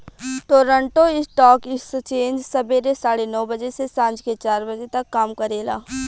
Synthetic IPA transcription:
ʈoːɾə̃ɳʈoɪsʈɔːkɪst͡ʃẽːɲd͡ʒsɐbeɾesaːɽenɔːbɐd͡ʒesesãːnd͡ʒket͡ʃaːɾbɐd͡ʒet̪ɐkːaːmkɐɾeːla̰ː

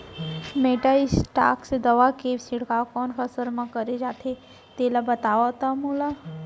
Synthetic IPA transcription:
meːʈaɪsʈa̰ːksed̪ɐʋakeːbsɪɽkaːkɔːnkɐsəɾmãkəɾed͡ʒaːt̪ʰe | t̪eːlabət̪aːʋat̪amula

